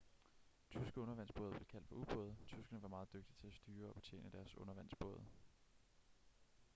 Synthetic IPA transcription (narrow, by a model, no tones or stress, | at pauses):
t͡sʰysɡ̥əɔ̽nɐʋæn̰sb̥ɔ̽ːð̩ˠb̥le̝kʰæl̰d̥fɒ̽ub̥ɔ̽ːð̞̩ˠt͡sʰysɡ̥ɐnəʋɑ̈mɑ̈ːð̩ˠd̥øɡ̥̚d̥it͡sʰe̝læsd̥yːɐɒ̽b̥e̝̥t͡sʰḛːnəd̥æɐsɔ̽nɐʋæn̰sb̥ɔ̽ːð̞ˠ